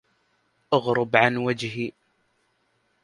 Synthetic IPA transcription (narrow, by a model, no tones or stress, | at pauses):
ʔaɣɾʊbʕanwad͡ʒhi